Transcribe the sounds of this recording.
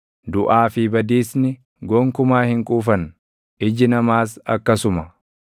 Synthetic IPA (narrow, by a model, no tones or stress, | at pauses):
d̪ʊʔaːfɪbɐd̪iːsnɪ | ɡɔŋkʊmaːhɪŋkʼuːfɐn | ʔɪd͡ʒɪnɐmaːsɐ̰kːɐsʊmɐ